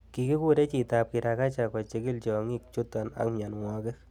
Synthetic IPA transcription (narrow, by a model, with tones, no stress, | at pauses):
ki˧ki˦ku˦ɾe˦t͡ʃi˨tap̚ki˨ɾa˧ka˦t͡ʃa˨kɔ˨t͡ʃe˧ki˦lt͡ʃɔ˨ŋi˦k̚t͡ʃu˦tɔ˨na̰˨kma˨nŋwɔ˧kɛ˦